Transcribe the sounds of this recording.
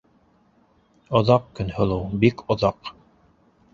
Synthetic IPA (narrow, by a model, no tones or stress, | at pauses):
ŏðɑq̚kɵ̆nhɤ̆lˠɤwbikʰŏðɑq